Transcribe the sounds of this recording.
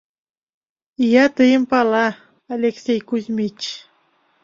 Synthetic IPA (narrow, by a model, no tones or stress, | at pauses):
ijɑt̪əjəmpɑlɑː | lʲeksʲejkuzʲmʲit͡ɕ